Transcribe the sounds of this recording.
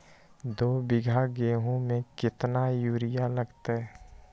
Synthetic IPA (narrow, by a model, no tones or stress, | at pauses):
d̪oːbɪɡʱaɡeːɦõmẽkɪt̪najuːɾɪjaləɡt̪aɦɛ